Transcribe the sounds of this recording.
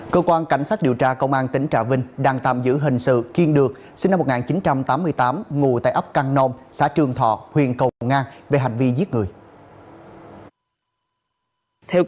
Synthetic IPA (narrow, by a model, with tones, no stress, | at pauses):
kəː˧kwaː˧nka˧˩jŋ̟saː˦˥t̚ɗi˨˩əwt͡ɕaː˧kə˧wŋ͡mʔaː˧nt̪ï˨˦ŋ̟t͡ɕaː˧˩vï˧ŋ̟ɗaː˧ŋt̪a̰ː˧˨mzɨ̰˧˥ɦï˨˩ŋ̟sɨ̰˧˨ki˧ənɗɨ˨˩ək̚ | si˧na˧mo˨˩t̚ŋaː˨˩nt͡ɕi˨˦nt͡ɕa˧mt̪aː˨˦mːɨ˧əjt̪aː˨˦mŋu˨˩t̪a̰ː˧˨jʔə˦˥p̚ka˧ŋno˧msa̰ː˧˥t͡ɕɨ˨˩əŋt̪ʰɔ̰˧˨hwḭ˧˨ənkə˨˩wwŋʔaː˧nve˨˩ɦa˨˩jŋ̟vi˧zi˦˥t̚ŋɨ˨˩əj | t̪ʰɛ˧w